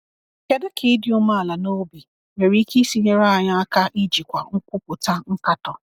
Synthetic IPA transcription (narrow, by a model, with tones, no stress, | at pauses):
ke˦dɪ˦kʰɪ˨˦dɪ˨˦ʊ˦ma˦a˨la˨no˦bi˨ | me˨ɾi˦ki˦si˦ɲe˦ɾa˦a˨ɲa˦a˦ka˦ʔi˦d͡ʒi˨kʷa˨ŋ̩˦kʷʊ˦kʊ˨ta˦ŋ̩˦ka˦tɔ˨